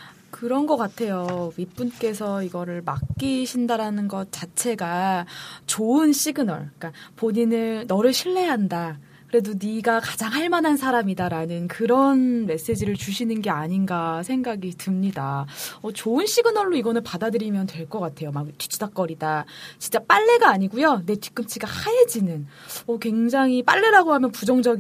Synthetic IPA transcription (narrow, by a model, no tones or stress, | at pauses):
kɯɾʌnɡʌk͈atʰe̞joɥip͈unk͈e̞sʰʌiɡʌɾɯɭmak̚k͈iɕʰindaɾanɯnɡʌt̚t͡ɕ͈at͡ɕʰe̞ɡa | t͡ɕoɯnɕ͈iɡɯnʌ̰ɭk͈apoɲinɯnnʌɾɯɭɕʰiɭːe̞ɦanda | kɯɾe̞doniɡakad͡ʑaŋɦaɭmanɦansʰaɾamidaɾanɯnkɯɾʌnme̞s͈e̞d͡ʑiɾɯɭt͡ɕuɕʰinɯnɡe̞aɲinɡasʰe̞ŋɡaɡitɯmɲidaʌt͡ɕoɯnɕ͈iɡɯnʌɭːoiɡʌnɯnpadadɯɾimjʌntwe̞ɭk͈ʌk͈atʰe̞jomak̚t͈ʰi̥t͡ɕʰudak͈̚ʌɾidat͡ɕint͡ɕ͈ap͈aɭːe̞ɡaːɲiɡujone̞tʰi̥k͈ɯmt͡ɕʰiɡahajed͡ʑinɯn | ʌkwe̞ŋd͡ʑaŋɦip͈a̰ɭːe̞ɾaɡoɦamjʌnpud͡ʑʌŋd͡ʑʌɡ